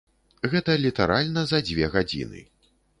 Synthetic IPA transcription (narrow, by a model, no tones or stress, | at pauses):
ɣɛt̪ɐlʲit̪aɾalʲnɐzɐd͡zʲvʲɛɣad͡zʲḭnɨ̰